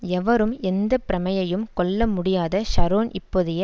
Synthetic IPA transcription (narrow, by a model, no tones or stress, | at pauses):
ɛʋɐɾɯmɛnd̪ɐpɪɾɐmɐjɐjɯmkɔɭːɐmʊɽɪjaːðɐʃɐɾoːnʔɪpːoðɪjɐ